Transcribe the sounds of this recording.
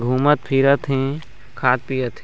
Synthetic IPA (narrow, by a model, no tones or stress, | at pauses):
ɡʱuːmət̪̚pʰiɾət̪ʰɦẽ | kʰaːt̪̚pijət̪ʰ